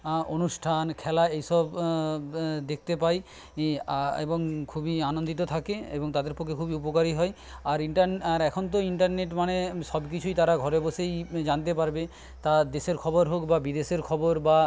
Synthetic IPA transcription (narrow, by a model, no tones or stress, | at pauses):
onusʈʰankʰɛlaejsɔb | d̪ek̚ʰt̪epaj | ḛboŋkʰubianond̪it̪ot̪ʰakeeboŋt̪ad̪eɾpɔkʰekʰubiupokaɾiɦɔj | aɾiɳʈaɾnaɾɛkʰont̪̬oiɳʈaɾneʈmanesɔbkit͡ɕʰujt̪aɾaɡʱɔɾebosejd͡ʑant̪̬epaɾbe | t̪ad̪eseɾkʰɔboɾɦokbabid̪eseɾkʰɔboɾba